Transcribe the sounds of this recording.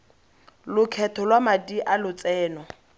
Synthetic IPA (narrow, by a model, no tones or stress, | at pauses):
lʊkʰɛtʰɔlwamadiʔalʊt͡sɛːnɔ